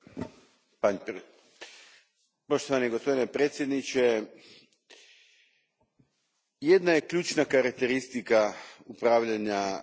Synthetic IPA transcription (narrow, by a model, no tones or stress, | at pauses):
paɲ | poʃt̪oʋanieɡospo̞d̪inepɾe̞ːt̪sje̞d̪nit͡ʃe | je̞d̪najekʎuːt͡ʃnakaɾak̚t̪eɾist̪ikaupɾaːʋʎaɲa